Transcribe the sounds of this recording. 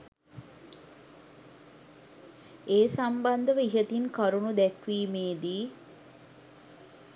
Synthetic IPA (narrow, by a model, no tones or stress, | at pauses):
eːsamband̪əʋəiɦət̪iŋkaɾunud̪ɛkʋiːmeːd̪iː